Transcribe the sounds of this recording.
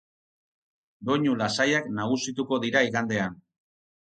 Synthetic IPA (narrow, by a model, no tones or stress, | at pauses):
d̪o̞ɲulasajaknaɣ̞usit̪uko̞ðiɾaiɣand̪e̞an